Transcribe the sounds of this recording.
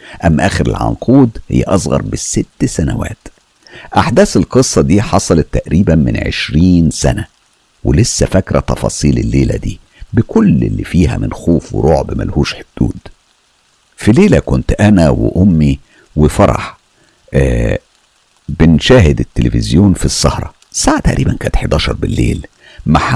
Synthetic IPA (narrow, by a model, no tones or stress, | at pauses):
ʔæmːʔæːxeɾḛlʕɑ̰nqʰuːd̪hḛjːæ̰ʔɑsˤɣɑ̰ɾˤbɪsɪt̪ːsænæ̰wæ̰ːt̪ | ʔaħd̪æːselqɨsˤːɑd̪iːħɑsˤɑlɑt̪ːæʔɾiːbænmɪ̰nʕḛʃɾiːnsæ̰næ | welesːæfækɾæt̪ɑfɑ̰ːsˤiːlelːeːlæ̰d̪iː | bekolːḛlːifiːɦæ̰mɪnxoːfwḛɾʔoːʕbmæ̰lhuːʃħod̪̥ṵːd̪ | fileːlækont̪ʔænæwḛʔomːi | wefɑɾˤɑ̰ħ | bɪnʃæːhed̪et̪ːelefɪzjoːnfisˤːɑ̰hɾˤɑ̰ | saːʕat̪æʔɾiːbænkæːnet̪ħed̪æːʃɑɾˤbelːḛːl | maħ